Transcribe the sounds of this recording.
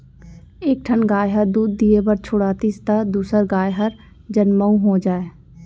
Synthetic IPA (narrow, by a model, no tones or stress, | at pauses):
eːk̚ʈʰənɡaːjɦəɾd̪uːd̪ːiebəɾt͡ʃʰʊɽaːt̪ist̪ad̪uːsəɾɡaːjɦəɾ | d͡ʒənməũɦoːd͡ʒaːeː